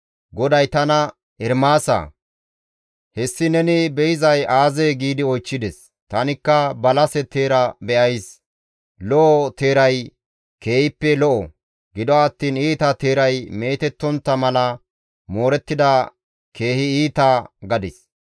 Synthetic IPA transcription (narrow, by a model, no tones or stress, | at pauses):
ɡɔd̪ɐjt̪ɐnɐ | ɛɾmaːsɐ̰ | hɛsːɪnɛnɪbɛjɪzɐjaːzeːɡiːd̪ɪɔjt͡ʃːɪd̪ɛs | t̪ɐnɪkːɐbɐlɐsɛt̪e̞ːɾɐbɛʔɐjs | lɔʔɔt̪e̞ːɾɐj | keːhɪpːɛlɔʔɔ | ɡɪd̪ɔɐt̪ːiːniːt̪ɐt̪e̞ːɾɐjme̞ːt̪ɛt̪ːɔnt̪ːɐmɐlɐ | mo̞ːɾɛt̪ːɪd̪ɐ | kʰe̞ːhɪiːt̪aɡɐd̪ɪs